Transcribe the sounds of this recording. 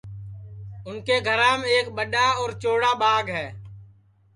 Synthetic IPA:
ʊnkeːɡʱəɾãːmẽeːkɓəɗaːɔːɾt͡ʃoːɽaːɓaːɡɦɛː

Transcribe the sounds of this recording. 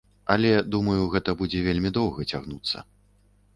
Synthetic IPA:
ɐlʲɛd̪umɐjuɣɛt̪ɐbud͡zʲɛvʲelʲmʲid̪ɔwɣɐt͡sʲaɣnut̪sːɐ̰

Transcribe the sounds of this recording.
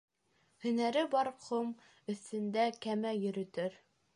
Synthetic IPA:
hɵ̆næɾɘbɒɾqʰom | ɵ̆θt̪ɘ̆nd̪ækæmæjɵ̆ɾɵ̆t̪ɘɾ

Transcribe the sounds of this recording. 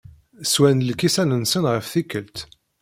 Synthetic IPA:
swænlkisænənsənʁəfθikːəlt̪

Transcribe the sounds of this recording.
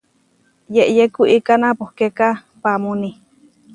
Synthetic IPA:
jeʔjekuʔikanapohkeka | pamuni

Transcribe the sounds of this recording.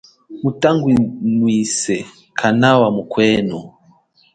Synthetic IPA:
mutaŋɡwinwisɛ | kʰanawamukwɛːnɔ

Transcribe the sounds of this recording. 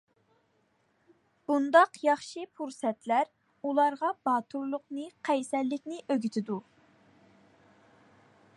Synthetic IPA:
b̥und̪ɑqjɑχʃɨpʰuɾsɛt̪læɾ | ulˠɑɾʁɑbɑːt̪ʰuɾlˠʊqnɨqʰɛjsɛlːɪkʲnɪʔøɡʲyt̪ʰɪd̪u

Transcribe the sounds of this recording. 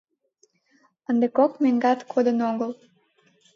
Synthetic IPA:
ənd̪əkokmeŋɡɑt̪kʰod̪ənoɡəlˠ

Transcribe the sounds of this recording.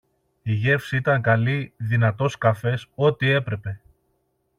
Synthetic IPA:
iʝe̞fsiit̪ɐŋkɐliðinɐt̪o̞skɐfe̞so̞t̪ie̞pɾe̞pe̞

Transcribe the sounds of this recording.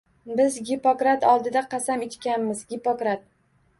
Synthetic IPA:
bɪzɡʲipokɾat̪ɒlˠd̪ɪd̪aqʰɑsamet͡ʃkʲanmɪzɡʲɪpokɾat̪̚

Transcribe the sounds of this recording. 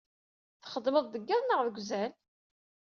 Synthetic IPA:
θχəd̪məðˤd̪əɡːæðnəʁðəɡʷzæl

